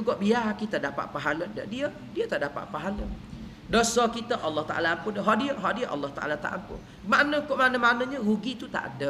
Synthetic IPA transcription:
uɡɔʔbiakit̪ədapa̰ʔ̚paɦalədə̰ʔdiə | diət̪aʔdapa̰ʔpaɦalə | dosɔkit̪əʔɑlːɑht̪a̰ʔa̰laampʊndəɦaʔdiəʔɦaʔdiəʔɑ̰lːɔht̪aʔa̰lat̪a̰ʔampʊ̰n | manəkoʔmanəmanəɲəhuɡit̪ut̪a̰ʔdə

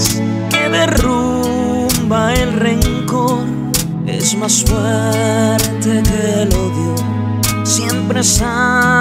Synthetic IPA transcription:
keðeru | mbaelreŋkoɾ | ḛzmasfwe | ɾt̪ekeloðjo | sjempɾesa

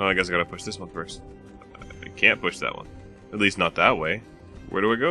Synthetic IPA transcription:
ʔoʊaɪɡæɪsaɪɡɑɾəpʰʊʃðɪswʌ̃nfɜ˞st | aɪkʰæ̃npʰʊʃðə̰ʔ̚wʌ̰̃n | ɨtˡlistⁿnət̪̚ðət̚weɪ | wʔə̰˞ɾɨaɪɡoʊ

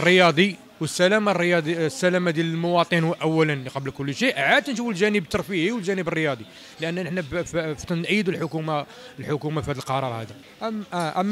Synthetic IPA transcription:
rːəjɑd̪ˤi | wəsːælæmarˤːjɑd̪ˤisːælæmad̪jæləlmʊwɑt̪ˤənhwʔæwːælənlqɑblkʊlːʃiʔaʕad̪nʃ̬ufəlʒænəbt̪ːɑɾˤfihiwəlʒænəbərːəjɑd̪ˤi | lʔənːnəħnæbfft̪nnʔəjːəd̪ulħʊkuma | lħʊkumafihæd̪əlqɑɾˤɑɾˤhæd̪æ | ʔmʔʔæmː

